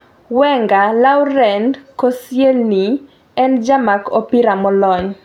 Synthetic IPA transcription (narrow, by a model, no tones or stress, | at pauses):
wɛŋɡalawɾɛnkosjelni | ɛnd͡ʒamakopiɾamɔlɔɲ